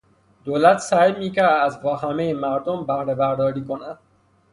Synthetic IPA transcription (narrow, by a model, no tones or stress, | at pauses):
d̪oːlæt̪sæjmiːkæɾd̪æzbɒːɦæmejemæɾd̪ombæhɾebæɾd̪ɒːɾiːkonæd̪̥